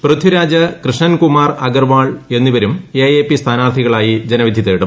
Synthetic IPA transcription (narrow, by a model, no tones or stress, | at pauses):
prɨd̪ʱiɾaːd͡ʑɐkrɨʂɳɐnkumaːrɐɡɐrʋaːɭe̞nːiʋɐɾumejeːpist̪ʰaːnaːrt̪ʰiɣɐɭaːjid͡ʑenɐʋid̪ʱjit̪ːeːɽum